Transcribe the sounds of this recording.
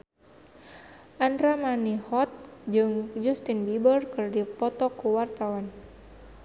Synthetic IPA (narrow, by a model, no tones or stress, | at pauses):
ʔandɾamanihɔt̪̚d͡ʒɨŋd͡ʒɔst̪inbibərkɨrdipɔt̪ɔkuwart̪awan